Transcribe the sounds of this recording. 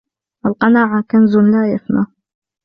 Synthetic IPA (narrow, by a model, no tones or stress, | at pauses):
ʔalqɑnaːʕakanzʊnlaːjafna